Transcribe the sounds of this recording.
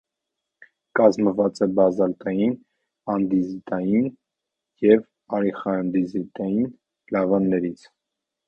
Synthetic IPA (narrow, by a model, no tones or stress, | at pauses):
kɑzməvɑt͡sɛbɑzɑlt̪ɑjin | ɑnd̪izit̪ɑjin | jɛv | ɑɾiχɑnd̪izit̪ɑjin | lɑvɑnːɛɾit͡sʰ